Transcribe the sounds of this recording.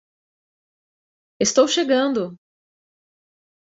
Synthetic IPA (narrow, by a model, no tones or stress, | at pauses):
est̪owʃeɡɐ̃nd̪ʊ